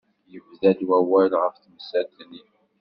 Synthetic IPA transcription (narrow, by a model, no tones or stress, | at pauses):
jəvðæd̪wæwælʁəfθməsæd̪ni